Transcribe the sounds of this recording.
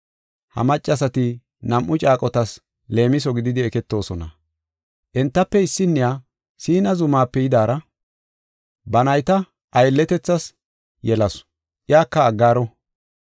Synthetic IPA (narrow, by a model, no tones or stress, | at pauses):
hɐ̰mɐt͡ʃʼːɐsɐt̪ɪ | nɐmʔʊt͡ʃʼaːkʼɔt̪ɐs | le̞ːmɪs̬ɔɡɪd̪ɪd̪ɪɛkɛt̪ːo̞ːsɔnɐ̰ | ʔɛnt̪ːɐpːɛɪsːɪnːɪjaː | siːnɐzʊmaːpːɛjɪd̪aːɾɐ | bɐnɐjt̪ɐ | ʔɐjlːɛt̪ɛt͡sːɐs | jɛlɐs | ʔɪjaːkːɐːɡːaːɾɔ